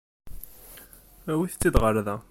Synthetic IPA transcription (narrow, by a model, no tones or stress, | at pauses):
æwiθt͡sːid̪ʁəɾðæ